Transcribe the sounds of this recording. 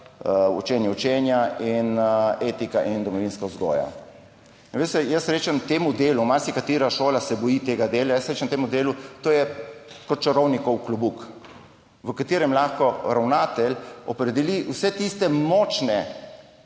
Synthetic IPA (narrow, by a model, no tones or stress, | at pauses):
ɔ̰t͡ʃɛːnjɛɔt͡ʃɛnjainet̪ikaʔind̪ɔmɔʋinskauzɡɔ̰ːja̰ | nʋest̪ɛjəsɾeːt͡ʃɛmt̪eːmud̪eːlumaɾsikat̪iːɾaʃoːlasɛbɔjit̪eːɡad̪eːlajəsɾeːt͡ʃɛmt̪eːmud̪eːlut̪oːjɛkɔt̪t͡ʃɔɾɔwnikɔwklubuk | ʋəkat̪iːɾɛmlaxkɔɾawnaːt̪ɛlʲɔpɾɛd̪ɛliwsɛt̪ist̪ɛmɔːt͡ʃnɛ